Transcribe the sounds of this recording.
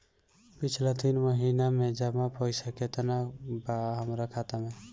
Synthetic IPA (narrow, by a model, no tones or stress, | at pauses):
pɪt͡ʃʰlet̪inməɦinamẽd͡ʒəmapɔɪsaket̪ənabaɦəmɾakʰat̪amẽ